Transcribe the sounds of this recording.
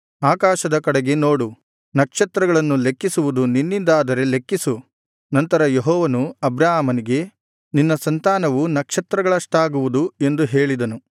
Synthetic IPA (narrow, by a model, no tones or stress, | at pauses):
aːkaːʃɐd̪ɐkɐɽeɡe̞no̞ːɽu | nɐkʂɐt̪ɾɐɡɐɭɐnːule̞kːisuʋud̪uninːind̪aːd̪ɐɾe̞le̞kːisu | nɐnt̪ɐɾɐjeɦɔːʋɐnuɐbɾaːɦamɐniɡe̞ | ninːɐsɐnt̪aːnɐʋunɐkʂɐt̪ɾɐɡɐɭɐʂʈaːɡuʋud̪ue̞nd̪uɦe̞ːɭid̪ɐnu